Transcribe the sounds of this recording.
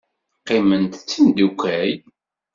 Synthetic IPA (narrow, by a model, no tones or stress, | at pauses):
qːɪmənt̪t͡sːind̪ukʷːæj